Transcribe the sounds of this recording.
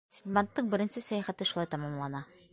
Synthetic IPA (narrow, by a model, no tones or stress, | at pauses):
sʲid̪ʲmant̪ːɤɴbɘ̆ɾɘ̆nsɘsæjæχæt̪ɘʃulˠɑjt̪ɑmɑmlˠɑnɑ